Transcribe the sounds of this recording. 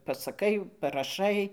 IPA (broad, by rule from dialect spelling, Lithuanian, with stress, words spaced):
pɐsɐˈkɐɪ pɐrɐˈʃɐɪ